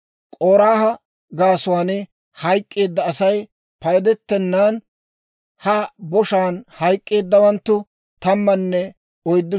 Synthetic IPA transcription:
kʼoːɾaːhɐ | ɡaːsʊwaːnɪ | hɐjkʼːe̞ːd̪ːɐːsɐj | pɐjd̪ɛt̪ːɛnːaːn | hɐbɔʃaːnhɐjkʼːe̞ːd̪ːɐwɐnt̪ːʊ | t̪ɐmːɐnːɛ | ɔjd̪ːʊ

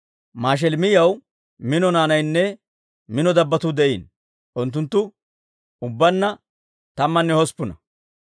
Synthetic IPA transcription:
maːʃ̬ɛlmɪjɐw | mɪnɔnaːnɐjnːɛ | mɪnɔd̪ɐbːɐt̪ʊd̪ɛʔiːn | ʔʊnt̪ːʊnt̪ːʊ | ʊbːɐnːɐ | t̪ɐmːɐnːɛhɔspːʊnɐ̰

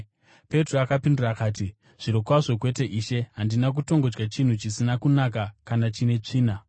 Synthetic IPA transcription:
pe̞troakapindurakaːti | ʐ̥iɾo̞kwaʐo̞k̬we̞te̞ʔiːʃe̞ɦandinak̬uto̞ŋɡod͡ʒɡat͡ʃin̤ut͡ʃisinakunakakanat͡ʃine̞t͡ʂiːna

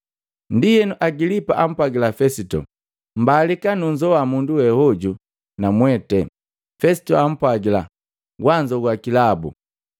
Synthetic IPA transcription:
ndijɛnuʔaɡilipa̰ʔam̩pwaɡilafɛsitɔ̰ | m̩balikanuɲd͡ʒɔwamunduwɛhɔɟu | namwɛtɛ | fɛsi̥tɔam̩pwaɡila̰ | ɡwaɲd͡ʒɔɡwakilabṵ

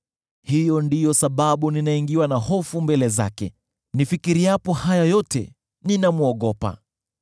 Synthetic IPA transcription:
hijɔndijɔsaɓaɓuninaiŋɡiwanahɔfumbɛlɛza̰kɛ̰ | nifikiɾiapɔhajajɔtɛ̰ | ninamuɔɠɔpa̰

